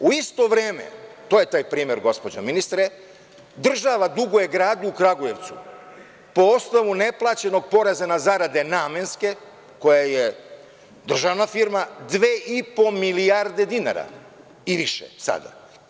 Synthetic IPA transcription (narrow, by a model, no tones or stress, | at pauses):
uist̪o̞ʋɾeːmḛt̪oːje̞t̪aːjpɾiːmjeɾɡo̞spo̞d͡ʑa̰minist̪ɾe | d̪r̩ʒaʋad̪uɡojeɡɾaːd̪uːkɾaɡuje̞ʋt̪su | po̞o̞snoʋune̞plˠaːt͡ɕe̞no̞ɡ̚po̞ɾezanazaɾad̪e̞naːmenske̞ | ko̞jaje | d̪r̩ʒaʋnafiɾmad̪ʋeːʔipo̞milijaɾd̪e̞d̪ina̰ɾa̰ | iʋiʃḛsa̰d̪a̰